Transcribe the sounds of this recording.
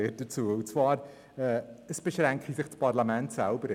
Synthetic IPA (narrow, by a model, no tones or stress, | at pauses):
ɪːd̥ət͡suːəutt͡sv̥aːɾ | əːəsb̥əʃɾɛŋkχisɪχt͡spʰarlamɛntsɛlˠbəɾ